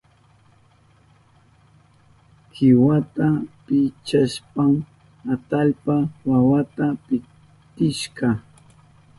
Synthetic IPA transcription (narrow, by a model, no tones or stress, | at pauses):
kʰɪwat̪apɪt͡ʃaʃpam | at̪aʎpawawat̪apɪ | t̪ɪʃɢɑ